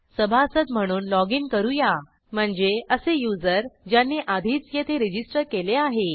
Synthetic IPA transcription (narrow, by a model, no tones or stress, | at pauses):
səbʱaəsət̪m̤əɽ̃uːnlɔɡinkəɾuja | m̤əɳd͡zeəsejud͡zəɾd͡ʑjanːiʔad̪ʱiːt͡sjet̪ʰeɾid͡ʑisʈəɾkeleaɦe